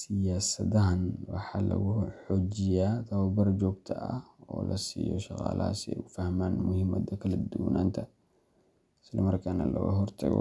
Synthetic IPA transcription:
sɪjaːsɐðɐɦɐnwɑħɑlɐ̰ɣʊħɔːd͡ʒɪjaːt̪ʰɐwɐbɐrd͡ʒɔːɡ̚t̪ʰɐʔɐhɔːlʔɐsiːjɔʃɑqɑ̰ːlʔɐha̰sɛ̰ːufɐhmaːnmʊhɪmɐd̪ɐkʰɐlɐd̪uwnʔaːnt̪ʰɐ | ɪslɐmɐrkʰanɐlɐ̰ɣɐɦɔrt̪ʰɐɣɔ̰

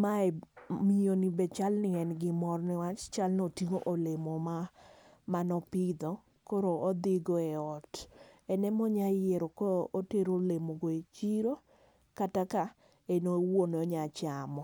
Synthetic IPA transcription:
maɛmionibɛt͡ʃalnɪɛnɡɪmɔrnɪwat͡ʃt͡ʃalnotiŋoʔolemɔma | manɔpɪd̪ɔ | koɾoːd̪ɪɡɔɛɔtɛnɛmɔɲajeɾokɔɾʔoteɾolemoɡɔet͡ʃiɾo | kataka | enowonɔɲat͡ʃamɔ

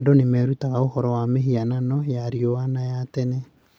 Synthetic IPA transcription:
donemɛːɾutaɣaohɔɾɔwameɦiananɔjaɾiowanajatɛnɛ

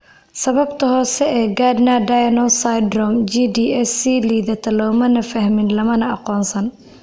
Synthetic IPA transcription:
sɐβɐbt̪ʰɐɦɔːsɛʔɛːɡad̪nadajɐnɔsajd̪ɾɔmd͡ʒid̪iɛsiliːðɐt̪ʰɐlɔwmɐnɐfɐhmɪnlɐmɐnɐɑqɔːnsɐn

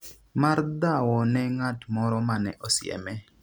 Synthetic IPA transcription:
mard̪awɔnɛŋatmɔɾɔmanɛ̰ʔɔsɪɛ̰mɛ

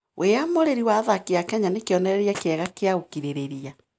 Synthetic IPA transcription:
wʔeamoɾeɾiwaðakeakɛɲanekeɔnɛɾɛɾiakeɛɣakeaokiɾeɾeɾia

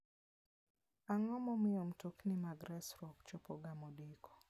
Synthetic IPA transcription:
aŋɔmɔmɪɔm̩toknimaɡɾɛsɾɔkt͡ʃɔpɔɡamɔdikɔ̥

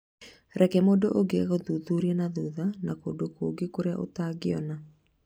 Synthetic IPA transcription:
ɾɛkɛmoːdoʔoɡeaɣoðuðuɾiɛnaðuðanako̰dokoɡekoɾea̰ʔo̰taːɡeɔna

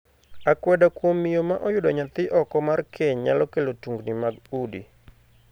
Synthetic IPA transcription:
akwɛdakwomijomaʔɔjʊdɔɲat̪ɪʔɔkɔmarkʰeɲɲa̰lɔkelotuŋɡnimaɡudḭ

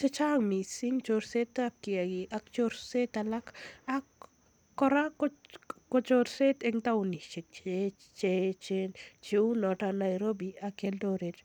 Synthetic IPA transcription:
t͡ʃet͡ʃaŋmisiŋt͡ʃoɾset̪ːap̚kiaɡiʔakt͡ʃoɾset̪alakakː | ɔɾakkɔt͡ʃoɾset̪eŋt̪auniʃik̚t͡ʃe | t͡ʃet͡ʃent͡ʃiunɔtanajɾobiakeldoɾet

